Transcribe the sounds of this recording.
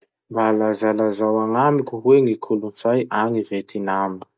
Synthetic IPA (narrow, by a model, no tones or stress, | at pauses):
mbalazalazawaŋamikʲuɦweŋikʰulunt͡sajʔaŋivet̪ʰinambə̥